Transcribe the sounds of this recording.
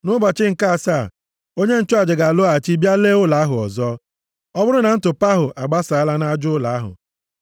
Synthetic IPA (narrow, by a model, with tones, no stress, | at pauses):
nʊ˦bɔ˨t͡ʃɪ˦ŋ̩˨ka˦a˨sa˦˨ | o˦ɲe˦n̩˦t͡ʃʊ˦a˨d͡ʒɪ˨ɡa˨lʊ˦a˨t͡ʃi˦bja˦leː˦ʊ˦la˨˦ɦʊ˨ɔ̰˨zɔ˦ | ɔ˦bʊ˦ɾʊ˦na˨n̩˦tʊ˨pa˦ɦʊ˨ʔa˨ɡ͡ba˦sa˨a˦la˦na˦d͡ʒʊ˦la˨a˦ɦʊ̰˨